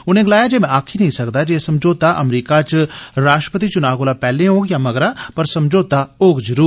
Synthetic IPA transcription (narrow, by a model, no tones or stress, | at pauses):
ʊnẽɡɪlaːjad͡ʒemɛ̃aːkʰinɐɦĩsɐkd̪ad͡ʒeesɐmd͡ʒoːt̪aʔɐmɾiːkat͡ʃɾaːʃʈɾə̥pət̪̬it͡ʃʊnaːɡoːlapɛːlẽõːɡjamɐɡɾapɐɾsɐmd͡ʒoːt̪aoːɡd͡ʒɾuː